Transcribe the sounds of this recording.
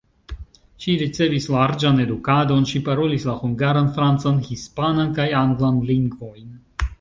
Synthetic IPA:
ʃiɾit͡se̞vislaɾd͡ʒane̞dukado̞nʃipaɾo̞lislahuŋɡaɾanfɾant͡sanhispanankajaŋɡlanliŋɡvo̞jn

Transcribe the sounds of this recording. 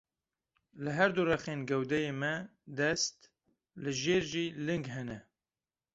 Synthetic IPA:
lɨɦɛɾd̪urɛχeːnɡɛwd̪ɛjeːmɛd̪ɛst̪ | lɨʒeːɾʒiːlɨŋɡɦɛnɛ

